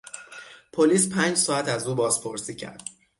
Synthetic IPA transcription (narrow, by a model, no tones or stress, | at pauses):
pʰoliːspʰæːnd͡ʒsɒːæt̪æzuːbɒːz̥pʰo̞ɾsiːcʰæ̰ɾd̪̥